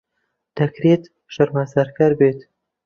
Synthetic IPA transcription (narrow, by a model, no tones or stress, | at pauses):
d̪̥ɐkɾeːt̪ | ʃɐɾmazɐɾkɐɾbeːt̪